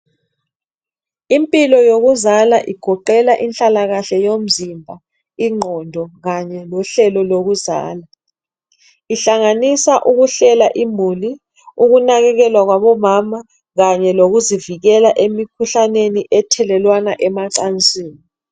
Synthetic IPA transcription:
impʼilɔjoɣuzalaʔiɡ̥ʱɔǃɛlaʔinɬʼalaɣaɬɛjom̩zimbʱa | iŋ͡ǃʱɔndʱɔɣaɲɛlɔɬɛlɔloɣuza̰ːla | iɬaŋanisaʔuɣuɬɛlaʔimuli | uɣunaɣɛɣɛlwaɣwaβɔmama | ɣaɲɛloɣuziviɣɛlaʔemikʰuɬaneniʔɛtʰɛlɛlwanaʔɛmaǀant͡sʼiːni

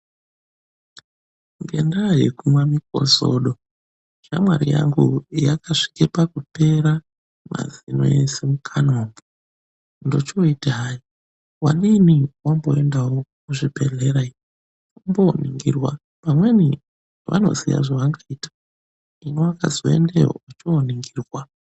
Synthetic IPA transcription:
ŋɡe̞̰ndajekumwamik̚o̞̰zo̞̰ɗo̞ | ʃamwaɾḭja̰ŋɡujakaʂi̥kepakupe̞ɾa | ma̰zino̰esemukʰanoːmbo | ndo̞t͡ʃoitaɦai | waɗiniwambo̞e̞ndawokuʐibʱe̞ɮeɾai | umboniŋɡirwa | pamwe̞ni | ʋa̰no̞̰zija̰ʐaʋaŋɡaiːtḁ | inewaka̰zoendeo̰ut͡ʃoːniŋɡiːrwa

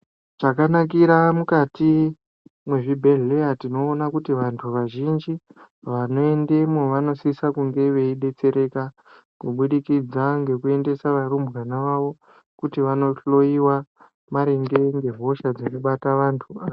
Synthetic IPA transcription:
ʐ̥akanak̬iɾamukati | mwe̞ʐibʱe̞ɮeatino̞ːnakutiʋantʰuʋaʒind͡ʒi | ʋano̞e̞ndemoʋano̞sisakuŋɡe̞ʋe̞iɗe̞t͡se̞ɾe̞ka | kuɓuɗikid͡zaŋɡe̞kue̞nde̞saʋaɾumbɣanaʋaʋo̞ | kutiʋano̞ɬo̞iwa | maɾeŋɡe̞ŋɡe̞ɦo̞ʃad͡zonoɓataʋantʰuao

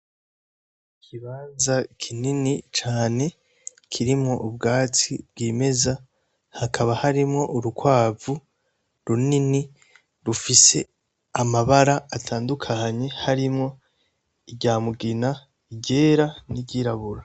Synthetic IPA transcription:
ikʰiβaːnzakʰininit͡ʃaːne̞ | kʰiɾimŋo̞ʔubɡaːt͡sibɡiːme̞za | hakʰaβahaɾimŋo̞ʔuɾukwaːvu | ɾunini | ɾufise̞ | amaβaɾaːtʰaːndukʰaɲe̞haɾimŋo̞ | iɟaːmuɡina | iɟe̞ːɾaniɟiɾaβuɾa

